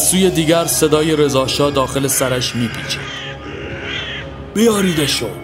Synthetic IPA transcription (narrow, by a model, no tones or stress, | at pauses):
zsuːje̞d̪iːɟæɾse̞d̪ɒːje̞ɾe̞zɒːʃɒːd̪ɒːxe̞le̞sæɾæʃmiːpʰiːt͡ʃʰḛ | b̥ejɒːɾiːd̪eʃod̪̥